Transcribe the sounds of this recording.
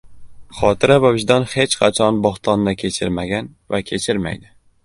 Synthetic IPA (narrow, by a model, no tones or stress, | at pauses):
χɒt̪ʰɪɾavavɪʒd̪ɒnhe̞t͡ʃqʰɑt͡ʃʰɒnbɒχt̪ʰɒnd̪akʲʰet͡ʃʰɪɾmaɡʲanvakʲʰe̞t͡ʃʰɪɾma̰jd̪ɪ